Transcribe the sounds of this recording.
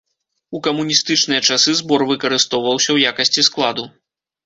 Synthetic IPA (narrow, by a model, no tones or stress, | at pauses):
ukɐmunʲist̪ɨt͡ʂnɨjɐt͡ʂasɨzbɔrvɨkɐɾɨst̪ɔwvɐwsʲɐwjakɐsʲt͡sʲisklˠad̪u